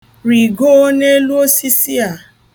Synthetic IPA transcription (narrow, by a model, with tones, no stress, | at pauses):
ɾi˨ɡo˦ne˦e˦lu˦o˦si˦si˦a˦˨